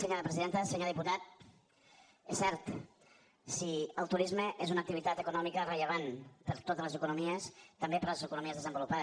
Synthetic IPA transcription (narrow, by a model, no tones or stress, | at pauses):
səɲoɾəpɾəziðent̪əsəɲoɾðiput̪at̪̚ | esɛɾt̪ | siəlˠt̪uɾizməʔezunək̚t̪iβit̪at̪əkunɔmikərəʎəβ̞anpəɾt̪ot̪ələzəkunumiəst̪əmbepəɾləzəkunumiəzðəzəmbulupaðə